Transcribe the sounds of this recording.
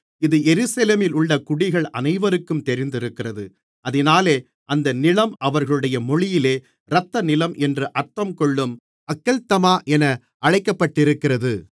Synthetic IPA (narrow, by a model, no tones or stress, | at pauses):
ɪðɯjɛɾɯsɐleːmɪlʊɭːɐkʊɽɪɣɐɭɐ̰nɐɪʋɐɾɯkːɯmt̪ɛɾɪnd̪ɪɾɯkːɪrɐðɯ | ʔɐðɪnaːleː | ʔɐnd̪ɐnɪlɐmɐʋɐɾɣɐɭɯɽɐjɐmɔɻɪjɪleː | ɾɐt̪ːɐnɪlɐmʔɛndrɯʔɐɾt̪ːɐmkɔɭːɯm | ɐkːɐlt̪ɐmaːʔɛnɐ | ʔɐɻɐɪkːɐpːɐʈːɪɾɯkːɪrɐðɯ